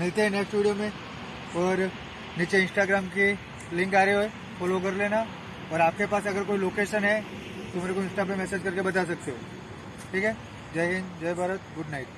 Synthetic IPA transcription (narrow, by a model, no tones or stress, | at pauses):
mɪlt̪eɦɛ̃nɛsʈuːɖijomẽ | ɔːɾ | nit͡ʃeɪ̃nsʈaɡɾaːmki | lɪ̃ŋkaːɾeɦoe | fɔːlok̬ɐɾleːna | ɔːɾaːp̚kepaːsɐɡəɾkoːiloːkeːʃənɦɛ | t̪omeːɾekoɪ̃nsʈap̬ẽmɛːseːd͡ʒkɐɾkebɐt̪as̬ɐk̚t̪eɦo̰ː | ʈʰiːkɦɛ | d͡ʒɐɦẽŋd͡ʒɐjbʱaːɾət̪̚ɡʊɖnaːɪʈ̚